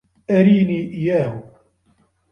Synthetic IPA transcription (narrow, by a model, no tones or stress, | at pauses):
ʔaɾiːniːʔɪjaːhʊ